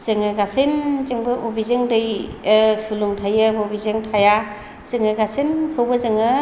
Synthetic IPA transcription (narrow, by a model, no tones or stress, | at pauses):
z̥ɯŋɯɡasinzɯŋbɯʔobizɯŋdɯj | suluŋtʰajɯbobizɯŋtʰaja | z̥ɯŋɯɡasinkʰɯwbɯzɯŋɯ